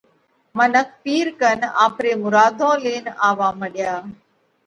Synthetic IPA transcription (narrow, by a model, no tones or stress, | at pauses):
mənək̚ʰpiːɾkəna̰ːpɾeːmʊɾaːd̪ʱõːleːnaːʋaːməɗjaː